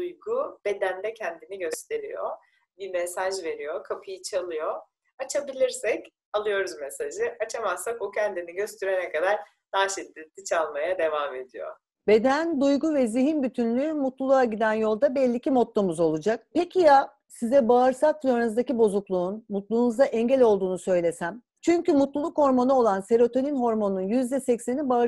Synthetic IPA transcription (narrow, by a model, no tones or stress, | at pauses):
d̪ujɡub̥e̞d̪ænd̪ɛcʰɛnd̪iniɟø̞st̪ʰe̞ɾijo | bimesaʒve̞ɾijokʰapʰɯjit͡ʃʰalˠɯjo̞ | at͡ʃʰabilʲiɾsɛc | alˠɯjo̞ɾuzmesaʒɯat͡ʃʰamasakocʰɛnd̪iniɟø̞st̪ʰyɾɛnɛkʰad̪aɾ | naːʃɛt̪ːid̪it͡ʃʰalˠmajad̪e̞vame̞d̪ijo̰ | b̥e̞d̪ænd̪ujɡuvɛziɦinbyt̪ʰynlʲyːmut̪lˠulˠuaɟid̪ænjo̞lˠd̪abɛlʲːicʰimot̪lˠomuzo̞lˠud͡ʒak̚pecʰija | sizɛbaːɾsak̚loɾnuzd̪acibo̞zuklˠuːnmut̪lˠuːnuzd̪aʔɛɲɟɛlʲo̞lˠd̪uːnusø̞jlʲe̞sæm | t͡ʃʰyɲcymut̪lˠulˠukho̞ɾmo̞nuo̞lˠanse̞ɾo̞t̪ʰo̞nʲinɦo̞ɾmo̞nnunjyzd̪ɛsɛcsenibaː